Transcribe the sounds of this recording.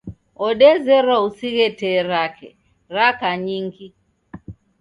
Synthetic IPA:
ɔɗɛzɛɾausiɣɛtɛːɾakɛ̰ | ɾakaɲiŋɡi

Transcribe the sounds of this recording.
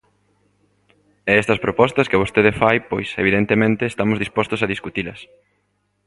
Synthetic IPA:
ɛɛst̪ɐspɾopɔst̪ɐskɪβost̪eðefajpojseβiðent̪emẽnt̪eːst̪amʊzðispɔst̪ʊsaðiskut̪ilɐs

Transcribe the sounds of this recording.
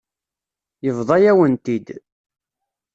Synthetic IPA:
jəvðˤɑjæwənt̪id̪

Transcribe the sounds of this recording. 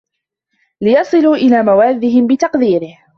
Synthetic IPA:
lɪjɑsˤɨluːʔɪlaːmawaːðːɪɦɪmbɪt̪ɑqd̪iːɾɪh

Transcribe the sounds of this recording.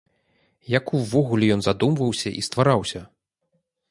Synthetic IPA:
jakuwvɔɣulʲɛjɔnzad̪umvɐwsʲɐʔḭst̪vaɾawsʲɐ

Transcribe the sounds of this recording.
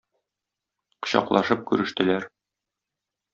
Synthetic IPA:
qɤ̥̆ɕɑ̰qlˠɑʃɤp̚kʉɾɘ̆ʃt̪ɘ̆læɾ

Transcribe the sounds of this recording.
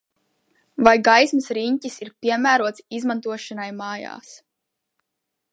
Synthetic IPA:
vajɡajsmɨsɾiɲcisiɾpʲiɛmæːɾuɔt̪sizmant̪uɔʃanajmaːja̰ːs

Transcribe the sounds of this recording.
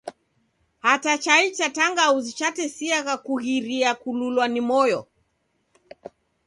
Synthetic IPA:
hatat͡ʃait͡ʃataŋɡauzit͡ʃatɛsiaɣakuɣiɾiakululwanimɔjɔ̰

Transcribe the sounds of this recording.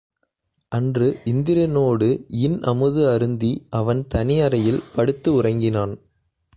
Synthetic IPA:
ʔɐndrɯʔɪnd̪ɪɾɐnoːɽɯɪnʔɐmɯðɯɐɾɯnd̪iʔɐʋɐnt̪ɐnɪjɐɾɐjɪlpɐɽɯt̪ːɯʊrɐŋɡɪnaːn

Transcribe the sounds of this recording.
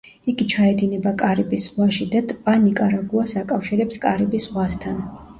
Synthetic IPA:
iɡit͡ʃʰaɛd̪inɛbakʼaɾibisʁwaʃid̪at̪ʼpʼanikʼaɾaɡuasakʼafʃiɾɛpskʼaɾibisʁwast̪ʰan

